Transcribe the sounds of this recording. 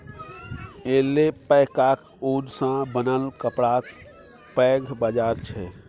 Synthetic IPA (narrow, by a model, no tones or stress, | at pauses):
elepəkak | uːd͡ʒsãbənəlkəpɽak | pɛːɡʱbad͡ʒaːɾt͡ʃʰɛ